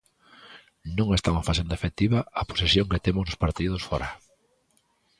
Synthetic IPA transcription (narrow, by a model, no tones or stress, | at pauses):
nõŋest̪awafas̬end̪ɐefekt̪iβaapo̥sesjõŋket̪emʊznʊspaɾt̪iðʊsfɔɾa